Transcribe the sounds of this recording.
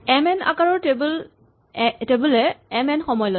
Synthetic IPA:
ɛmɛna̰kaɹɔɹtebul | tebulɛɛmɛnxɔmɔjlo

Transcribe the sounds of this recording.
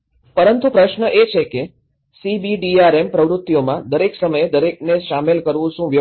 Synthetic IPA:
pəɾənt̪upɾəʃnəʔet͡ʃʰeke | sibiɖiaɾempɾəʋɾʊt̪ːijomãd̪əɾeksəməjed̪əɾek̚neʃamelkəɾʋũʃũʋjə

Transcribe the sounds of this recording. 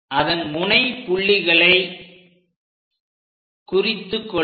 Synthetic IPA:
ʔɐðɐnmʊnɐɪpːʊɭːɪɣɐɭɐɪ | kʊrɪt̪ːɯkːɔ

